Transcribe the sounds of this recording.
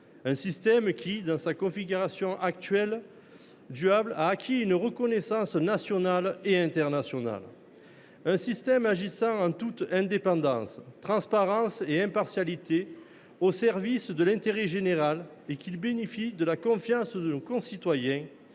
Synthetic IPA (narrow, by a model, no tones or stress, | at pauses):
ɛ̃sist̪ɛmkʲʰid̪ɑ̃sakɔ̃fiɡyʁasjɔ̃ʔak̚t̪ɥɛl | d̪yablaːkʲʰiynʁəkɔnesɑ̃snasjɔnaleɛ̃nt̪ɛʁnasjɔna̰l | ɛ̃sist̪ɛmaʒisɑ̃ɑ̃t̪ut̪ɛ̃d̪epɑ̃d̪ɑ̃st̪χɑ̃spaʁɑ̃seɛ̃paʁsjalit̪e | osɛʁvisd̪əlɛ̃nt̪eʁɛʒeneʁal | ekilbenefid̪əlakɔ̃fjɑ̃sd̪ənokɔ̃sit̪wajɛ̃